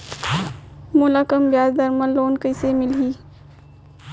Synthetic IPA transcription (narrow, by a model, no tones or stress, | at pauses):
mulakəmbjaːzd̪əɾməloːnkəɪsemɪlɦiː